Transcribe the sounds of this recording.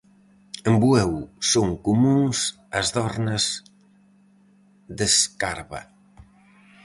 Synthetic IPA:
embuɛwsoŋkumuŋs | ɐzðɔɾnɐz | ðeskaɾβɐ̰

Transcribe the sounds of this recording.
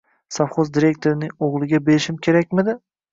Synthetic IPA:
safχozd̪iɾe̞k̚ʲt̪ʰoɾɪnɪŋoʁlˠɪɡʲabe̞ɾɪʃɪmkʲʰe̞ɾakʲmɪd̪ɪ

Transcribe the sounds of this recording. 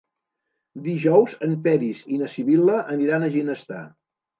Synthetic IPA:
d̪iʒɔwzəmpɛɾizinəsiβiləʔəniɾanəʒinəst̪a̰

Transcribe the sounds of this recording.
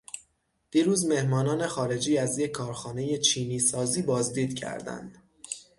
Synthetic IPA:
d̪̥iːɾuːzme̞hmɒːnɒːne̞xɒːɾe̞d͡ʒiːæzjecʰːɒːɾxɒːne̞je̞t͡ʃʰiːniːsɒːziːbɒːzd̪iːd̪cʰæ̰ɾd̪æ̰nd̪̥

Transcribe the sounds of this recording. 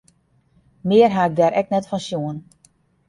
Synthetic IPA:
mɪərɦaɪk̚dɛɾʔɛk̚nɛtfɔnsjuən

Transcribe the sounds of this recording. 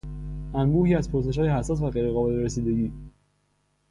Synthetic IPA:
ʔænbuːhiːæzpʰoɾs̬e̞ʃ̬hɒːjehæsːɒːs̬væɣejɾeɣɒːbe̞leɾesiːd̪e̞ɟiː

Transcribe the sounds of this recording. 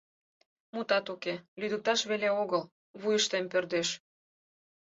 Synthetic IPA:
mut̪ɑt̪ukelyd̪ək̚t̪ɑʃβeleoɣəl | βujəʃt̪empørd̪eʃ

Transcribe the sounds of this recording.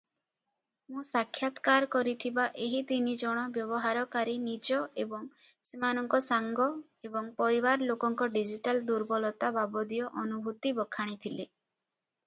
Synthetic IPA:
mũsakʰːjat̪kaɾkɔɾit̪ʰibaʔeɦit̪inid͡ʒɔɽ̃ɔbjɔbɔɦaɾɔkaɾinid͡ʒɔebɔŋ | semanɔŋkɔsaŋɡɔ | ebɔŋpɔɾiwaɾlokɔŋkɔɖid͡ʒiʈald̪uɾbɔlɔt̪ababɔd̪ijɔʔɔnubʱut̪ibɔkʰːaɽ̃it̪ʰile

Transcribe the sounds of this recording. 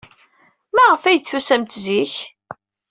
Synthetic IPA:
mæʁəfæjt͡sːusæmt̪ziç

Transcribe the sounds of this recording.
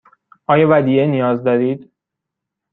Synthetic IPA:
ʔɒːjɒːvæd̪iːenijɒːzd̪ɒːɾiːd̪̥

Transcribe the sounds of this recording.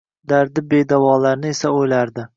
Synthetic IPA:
d̪aɾd̪ɪbe̞d̪avɒlaɾnɪesaojlaɾd̪ɪ

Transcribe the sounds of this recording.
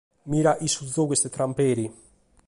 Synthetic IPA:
miːɾaʔisud̪zokwest̪ɪt̪ɾampeːɾi

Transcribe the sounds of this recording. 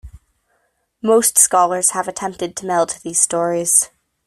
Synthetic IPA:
moʊstskɑlˠə˞z̥əvɨtʰɛ̃mp̚tɨd̚tʰəmɛlˠtðiz̥stɔɹiz̥

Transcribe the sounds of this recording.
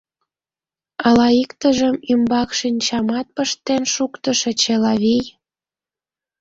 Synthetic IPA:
ɑlɑikt̪əʒəmymbɑkʃinʲt͡ɕɑmɑt̪̚pəʃt̪enʃukt̪əʃĕt͡ɕelɑβij

